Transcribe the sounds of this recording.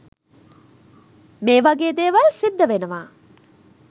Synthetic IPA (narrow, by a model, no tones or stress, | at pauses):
meːʋɐɡeːd̪eːʋɐlsid̪ːəʋenəʋaː